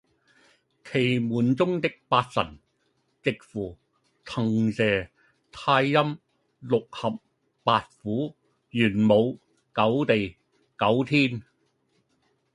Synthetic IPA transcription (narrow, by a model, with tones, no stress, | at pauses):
kʰe˨˩jmuː˨nt͡sʊ˥ŋt̪ɪ˥k̚paː˧t̚sɐ̰˨˩n | t͡sɪ˨k̚fuː˨˩ | t͡sʰɐ˨˩ŋsɛː˨˩ | t̪ʰaː˧jːɐ˥m | lʊ˨k̚hɐ˨p̚ː | aː˧t̚fuː˨˥ | jyː˨˩nmo˨˧w | kɐ˨˥wt̪e˨j | kɐ˨˥wt̪ʰiː˥n